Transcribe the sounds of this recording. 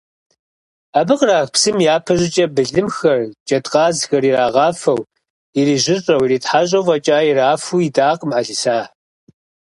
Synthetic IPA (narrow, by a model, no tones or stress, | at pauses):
abɨqraːxpsɨmjaːpʰɐʑɪt͡ʃʼɐbɨɮɨmxɐrt͡ʃʼɐtqɑːzxɐriraːʁɑːfɐw | iriːʑɪrʼrɐwiɾiːtħaɕʼɐwvɐt͡ʃʼaːjiraːfuidaːqmʕaɮɨsaː